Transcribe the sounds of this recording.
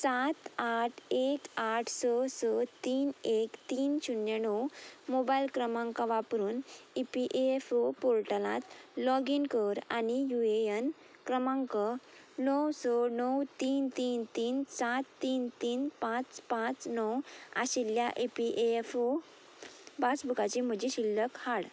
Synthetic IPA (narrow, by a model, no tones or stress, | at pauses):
sat̪aʈʰekaʈʰsɔsɔt̪iːnekt̪iːnɕunjenɔwmobajlkɾəmãŋkaʋapɾuːnepiʔeefopoɭʈəlã̰t̪lɔɡinkəɾa̰nijueən | kɾəmãŋkə | nɔwsɔnəwt̪iːnt̪iːnt̪iːnsat̪ːiːnt̪iːnpãt͡spãt͡snɔwa̰ɕiljaʔepiʔefo | basbʱukat͡ɕim̤əd͡ʑeɕilːəkhaɽ